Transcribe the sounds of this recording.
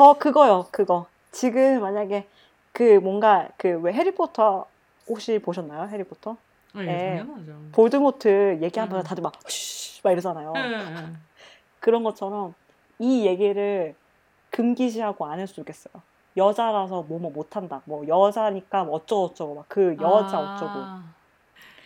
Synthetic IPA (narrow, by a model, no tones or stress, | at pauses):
t͡ɕʌkɯɡʌjokɯɡʌ | t͡ɕiɡɯmːaɲaɡe̞ | kɯmwʌŋɡakɯwe̞ɦe̞ɾipʰotʰʌ | hok̚ɕ͈ipoɕʰʌnːajoɦe̞ɾipʰotʰʌ | jepoɭdɯmotʰɯje̞ɡiɦambʌnʰʌtadɯmamaiɾʌd͡ʑanajo | kɯɾʌnɡʌt͡ɕʰʌɾʌn | ije̞ɡiɾɯɭ | kɯmɡiɕʰiɦaɡoanɯɭs͈uik͈e̞s͈ʌjo | jʌd͡ʑaɾas̬ʰʌmwʌmomotʰandamwʌjʌd͡ʑaɲik͈amːt͡ɕ͈ʌɡʌt͡ɕ͈ʌɡomakkːɯjʌd͡ʑaʌt͡ɕ͈ʌɡo